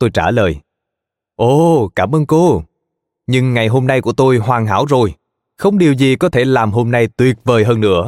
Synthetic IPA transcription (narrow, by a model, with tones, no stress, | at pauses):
t̪o˧jt͡ɕaː˧˩ləː˨˩j | ʔo˧˩kaː˧˩mʔəː˧nko˧ | ɲɨ˧ŋːa˨˩jɦo˧mna˧jku˧˩ət̪o˧jɦwaː˨˩ŋɦa̰ː˧˥wzo˨˩j | xə˧wŋ͡mɗi˨˩əwzi˨˩kɔ˨˦t̪ʰe˧˩laː˨˩mɦo˧mna˧jt̪wi˨˩ət̚vəː˨˩jɦəː˧nːɨ̰˧˥ə